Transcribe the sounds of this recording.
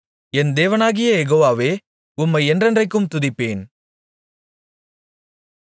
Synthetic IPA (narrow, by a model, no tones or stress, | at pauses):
ɛnd̪eːʋɐnaːɣɪjɐjɛɣoːʋaːʋeː | ʊmːɐɪɛndrɛndrɐɪk̬ːɯmt̪ʊðɪpːeːn